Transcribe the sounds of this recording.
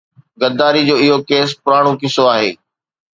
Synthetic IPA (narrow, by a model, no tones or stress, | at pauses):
ɡɐd̪aːɾid͡ʑoːɪɦokeːs̬pʊɾaːɽ̃õkɪsoaːɦḛː